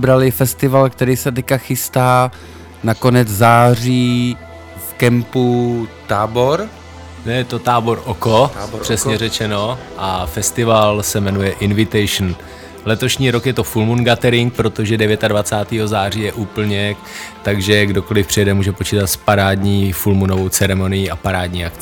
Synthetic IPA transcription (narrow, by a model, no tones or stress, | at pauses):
bɾalɪfɛst̪ɪvalk̚t̪ɛɾiːsɛt̪ɛkaxɪst̪aː | nako̞nɛd͡zzaːriː | fkɛmput̪aːbo̞ɾ | nɛjɛt̪o̞t̪aːbo̞ɾʔokor̥ɛsɲɛrɛt͡ʃɛno̞ʔafɛst̪ɪvalsɛmɛnujɛʔɪnvɪt̪ɛjʃn | lɛt̪o̞ʃɲiːɾo̞kjɛt̪o̞fulmunɡat̪ɛɾɪŋk̚pɾo̞t̪o̞ʒɛdɛvjɛt̪advat͡saːt̪iːɦo̞zaːriːjɛʔuːpl̩ɲɛ | t̪aɡʒɛɡdo̞ko̞lɪfpr̝̥ɪjɛdɛmuːʒɛpo̞t͡ʃiːt̪at̪spaɾaːdɲiːfulmunovo̞wt͡sɛɾɛmo̞nɪjiapaɾaːd̪ɲiːakt͡s